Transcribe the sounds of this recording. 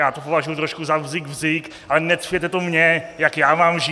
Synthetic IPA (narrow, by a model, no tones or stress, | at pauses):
jaːt̪opovaʒujut̪ɾoʃkuzavzɪɡvzɪk | ʔalɛnɛt̪fjɛt̪ɛt̪omɲɛjakjaːmaːmʒi